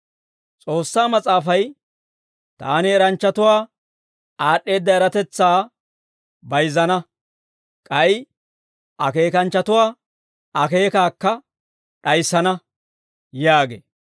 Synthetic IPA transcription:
t͡sʼo̞ːsːaːmɐt͡sʼaːfɐj | t̪a̰ːnɪɛɾɐnt͡ʃːɐt̪ʊwaː | aːɗːe̞ːd̪ːɐɛɾɐt̪ɛt͡sːaː | bɐjzɐnɐ | kʼɐj | ɐ̰ke̞ːkɐnt͡ʃːɐt̪ʊwaː | ɐke̞ːkaːkːɐ | ɗɐjsːɐnɐ | jaːɡḛː

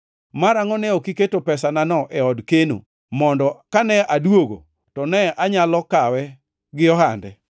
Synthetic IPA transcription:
maɾaŋɔnɛokiketopɛsananɔʔɛɔdkeno̰ | mɔndɔkanɛʔadwoɡo̰ | tɔnɛaɲalɔkawɛ | ɡɪɔhandɛ

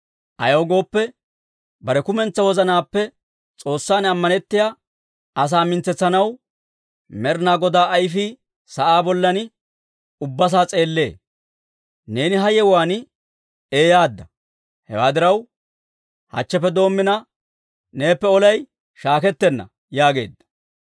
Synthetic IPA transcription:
ʔɐ̰joːɡo̞ːpːɛ | bɐɾɛkʊmɛnt͡sːɐwɔzɐnaːpːɛ | t͡sʼo̞ːsːaːnɐmːɐnɛt̪ːɪjaː | ɐs̬aːmɪnt͡sːɛt͡sːɐnɐw | mɛɾnaːɡɔd̪aːʔːjfi | sɐʔaːbɔlːɐnɪ | ʊbːɐs̬aːt͡sʼe̞ːlːe̞̰ː | ne̞ːnɪɦɐjɛwaːnɪ | eːjaːd̪ːɐ | hɛ̰wa̰ːd̪ɪɾɐw | hɐ̰t͡ʃːɛpːɛd̪o̞ːmːɪnɐ | ne̞ːpːɛɔlɐj | ʃaːkɛt̪ːɛnːɐ̰ | jaːɡe̞̰ːd̪ːɐ̥

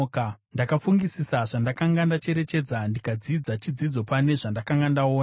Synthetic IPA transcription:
kndakafuŋɡisisaʐandakaŋɡandat͡ʃe̞ɾe̞t͡ʃe̞d͡zandikad͡zid͡zat͡ʃid͡zid͡zo̞pane̞ʐandakaŋɡandaoːna

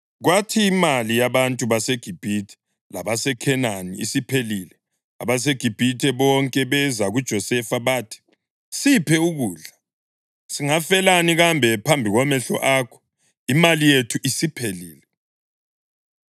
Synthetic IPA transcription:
ɣwatʰiːmalijaβantʼuβaseɡ̥ʱib̥ʱitʰɛ̥ | laβasɛkʰɛnanḭḭsipʰelilɛ | a̰βaseɡ̥ʱib̥ʱitʰɛβɔŋkʼɛβɛzaɣud̥ʒ̥ʱɔsɛfaβaːtʰi̥ | sipʰɛuɣuːɮa | siŋafɛlaniɣambʱɛpʰambʱiɣɔmɛɬɔ̰ʔaːkʰɔ̥ | imalijetʰuʔisipʰeliːlɛ

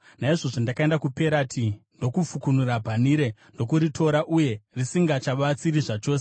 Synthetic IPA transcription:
naiʐo̞ʐondakae̞ndakupe̞ɾatʰindo̞kufukunurabʱaniɾe̞ndo̞kuɾitʰo̞ɾaʔuje̞risiŋɡat͡ʃaʋat͡siriʐat͡ʃo̞ːse

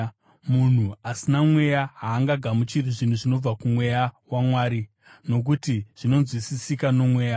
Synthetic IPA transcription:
mun̤uasinamwe̞jaɦaːŋɡaɡʱamut͡ʃiriʐin̤uʐino̞b͡vakumwe̞jawamwaːɾi | no̞k̬utiʐ̥ino̞nzwisisikano̞mwe̞ːja

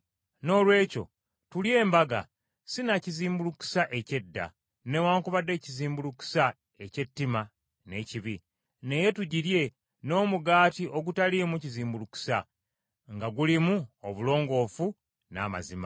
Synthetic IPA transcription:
no̞ːlwe̞ːco̞̰ | tulje̞ːmbaɡa̰ | sinaciziːmbuluku̥saʔece̞dːa̰ | ne̞waːŋkuβadːe̞ːciziːmbuluku̥sa | e̞ce̞tːima | ne̞ciβi | ne̞je̞tuɟiɾje̞ | no̞ːmuɡaːtiʔo̞ɡutalimuciziːmbuluku̥sa | ŋɡaɡulimuoβulo̞ːŋɡo̞ːfu | na̰ːma̰zima̰

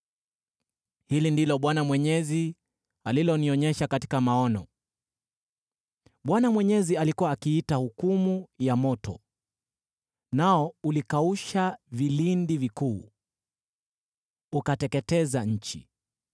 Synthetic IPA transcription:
hilindilɔɓwanamwɛɲɛzi | alilɔniɔɲɛʃakati̥kamaɔnɔ | ɓwanamwɛɲɛzialikuwaːkiitahukumujamɔtɔ̰ | naɔulikauʃavilindivikuː | ukatɛkɛtɛzaɲ̩t͡ʃḭ

